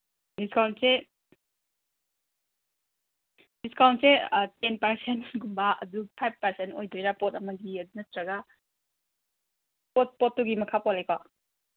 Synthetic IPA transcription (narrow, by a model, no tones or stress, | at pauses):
diskawntse | diskawntsetenpɐɾsentɡumbaɐ̰dupʰajb̚pɐɾsentojdojɾapɔtɐmɐɡiɐdunɐtɾɐɡa | pot̚pɔtːuɡimɐkʰapɔlejka